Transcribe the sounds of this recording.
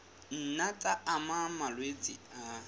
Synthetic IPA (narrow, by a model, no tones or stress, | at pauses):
n̩nat͡sʼaamamalwet͡sʼia